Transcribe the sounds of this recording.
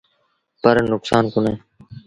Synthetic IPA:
pəɾnʊksaːnkʊneː

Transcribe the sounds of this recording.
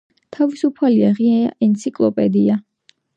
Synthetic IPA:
t̪ʰavisupʰaliaʁiaa̰ʔɛnt̪sʰikʼlˠɔpʼɛd̪ia

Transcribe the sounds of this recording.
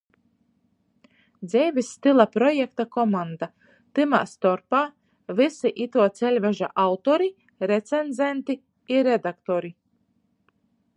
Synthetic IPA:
d̪zʲɛjvʲisːt̪ɨlˠapɾɔjɛkt̪akɔmand̪a | t̪ɨma̰ːst̪ɔɾpaː | vɨsiʔit̪uɔt̪sɛlʲvɛʒa̰ʔawt̪ɔɾi | ɾɛt̪senzʲent̪i | iɾɛd̪akt̪ɔɾi

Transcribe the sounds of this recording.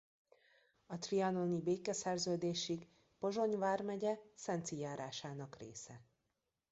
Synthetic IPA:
ɒt̪riɒno̞nibeːkɛsɛrzøːd̪eːʃiɡ | po̞ʒo̞ɲvaːrmɛɟɛsɛnt̪sijaːɾaːʃaːnɒkrḛːsɛ

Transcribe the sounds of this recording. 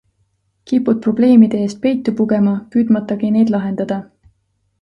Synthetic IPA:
kipːud̪t̪̚pro̞ble̞ːmid̪̥e̞eːst̪̚pe̞jt̪ːˑupuɡe̞mɑpyːd̪̥mɑt̪ːˑɑɡine̞jd̪̥lɑɦe̞nd̪ɑd̪̥ɑ

